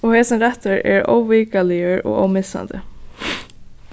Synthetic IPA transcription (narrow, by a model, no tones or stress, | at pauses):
ɔhɛːsɪnɾɛht̪əɹɛ̰ɹo̰ːwviːkalɪəɹɔ̰ɣo̰ːwmɪsa̰nd̪ə̰